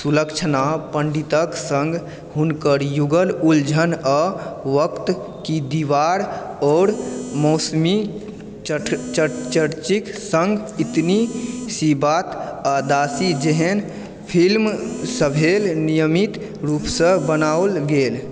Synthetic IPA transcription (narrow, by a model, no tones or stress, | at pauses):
suləkt͡ʃʰnapəɳɖit̪əksəŋɡʱ | ɦunkəɾjuɡəluld͡ʒʱənɔʋəkt̪ | kid̪iʋaɾ | ɔːɾmɔːsmi | t͡ʃət͡ʃəɾt͡ʃiksə̃ŋɡit̪nisibat̪ad̪asid͡ʒeɦen | pʰilmsəbʱelnijəmit̪ | ɾupsə̃bənaolɡeːl